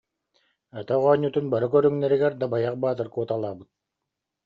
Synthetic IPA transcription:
œt̪œʁɔːɲːut̪unbaɾɯkœɾyŋnɛɾiɡɛɾd̪abajaq̚baːt̪ɯɾkuɔt̪alˠaːbɯt̪̚

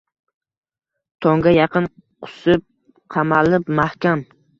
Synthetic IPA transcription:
t̪ʰɒŋɡʲajɑqɨnqʰʊ̥sɪp̚ | qʰɑmalɪpmahkʲam

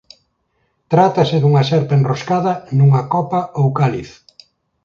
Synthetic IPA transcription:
t̪ɾat̪ɐsɪðuŋɐʃɛɾpenroskaðɐnuŋɐkɔpaowkaliθ

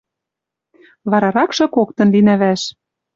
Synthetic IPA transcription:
βɑɾɑɾɑkʃɤ̆kokt̪ɤ̆nlinæβæʃ

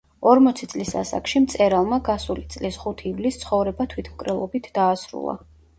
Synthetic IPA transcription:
ɔɾmɔt̪sʰit̪sʼlisa̰sa̰kʼʃimt̪sʼɛɾalˠmaɡasulit̪sʼlisχut̪ʰivlist̪sʰχɔvɾɛbat̪ʰwit̪ʰmkʼɾɛlˠɔbit̪ʰd̪aːsɾṵlˠa̰

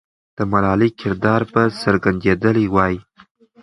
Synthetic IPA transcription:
d̪̥əmalɑlikʰɪɾd̪ɑɾpəsəɾɡand̪ed̪əliwɑji

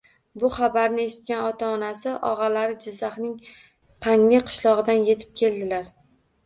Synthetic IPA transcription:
bʊχabaɾnɪe̞ʃɪ̥t̪̚kʲanɒt̪ʰaːnasɪʔɒ̰ʁɑlaɾɪd͡ʒɪzːaχnɪŋ | qʰaŋlɪqʰʊ̥ʃlɒʁɨd̪anje̞t̪ʰɪ̥p̚kʲʰe̞ld̪ɪlaɾ

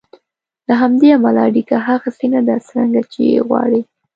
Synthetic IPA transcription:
laɦamd̪eamalaaɽikaɦaɣasinad̪asɾaŋɡat͡ʃejḛɣwɑ̰ɽi

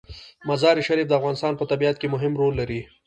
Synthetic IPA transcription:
mazɑɾiʃaɾif̚d̪əafɣɑnɪst̪ɑnpət̪abiat̪̚kemʊɦɪmɾolːaɾi

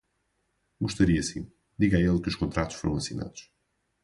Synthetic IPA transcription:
ɡuʃt̪ɐɾiɐsĩ | d̪iɣɐelˠkɨuʃkõnt̪ɾat̪u̥ʃfoɾɐ̃w̃ɐsina̰ðuʃ

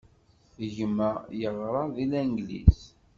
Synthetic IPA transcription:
əʝəmæjəʁɾˤɑðilænɡlḭs

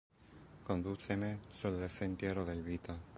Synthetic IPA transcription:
kond̪usemesulsent̪jɛːɾod̪elviːt̪a

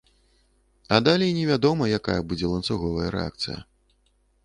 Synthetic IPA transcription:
ɐd̪alʲeinʲɛvʲad̪ɔmɐjakajɐbud͡zʲɛlˠɐntsuɣɔvɐjɐɾɛ̰a̰kt̪sɨ̰jɐ̰

